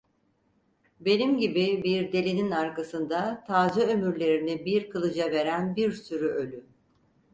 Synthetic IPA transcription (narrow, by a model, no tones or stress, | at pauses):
be̞nimɟibibiɾd̪e̞lʲininaɾkasɯnd̪at̪ʰaːzɯømyɾlʲe̞ɾinibiɾkʰɯlˠɯd͡ʒave̞ɾænbiɾsyɾyʔø̞lʲy